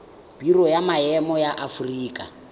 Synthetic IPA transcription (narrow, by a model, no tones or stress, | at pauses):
b̥irɔjamaɛmɔjaʔafuriːkʼa